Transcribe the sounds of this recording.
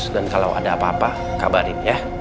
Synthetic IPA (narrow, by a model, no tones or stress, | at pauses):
sdankalawʔa̰daːpaːpa | kabaɾɪnja